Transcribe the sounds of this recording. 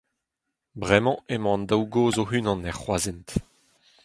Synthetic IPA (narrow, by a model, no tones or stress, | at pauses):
bʁɛmɑ̃emɑ̃nd̪awɡoːzoɦynɑ̃nɛʁχwaːzent̪